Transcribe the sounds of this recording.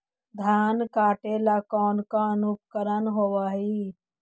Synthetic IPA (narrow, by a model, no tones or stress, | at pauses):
d̪ʱjaːnkaːʈeːlakɔːnkaənʊkkəɾənɦoːʋaːɦiː